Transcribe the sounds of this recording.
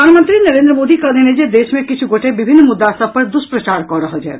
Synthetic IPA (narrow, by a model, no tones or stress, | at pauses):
aːnmənt̪ɾinɐɾeːnd̪ɾəmoːd̪ikɐd̪ened͡ʒed̪eːʃmẽkit͡ʃʰuɡoʈʰebibʱinːmud̪ːasəb̚pɐɾd̪uspɾət͡ʃaːɾkɔɾəɦəd͡ʒa̰e